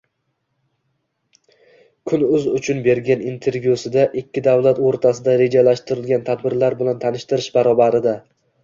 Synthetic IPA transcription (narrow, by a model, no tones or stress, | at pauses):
kʰʊnʊzʊt͡ʃʰʊnbe̞ɾɡʲanint̪ʰe̞ɾvjusɪd̪aʔɪkʲʰːɪd̪avlat̪oɾt̪ʰasɪd̪aɾe̞d͡ʒalaʃt̪ɪɾɪlɡʲant̪ʰad̪bɪɾlaɾbɪlant̪ʰanɪʃt̪ɪɾɪʃbaɾɒbaɾɪd̪a